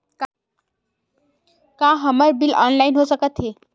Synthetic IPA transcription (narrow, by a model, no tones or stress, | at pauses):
k | kãɦəməɾbilɔ̰nlainɦosəkət̪ɦe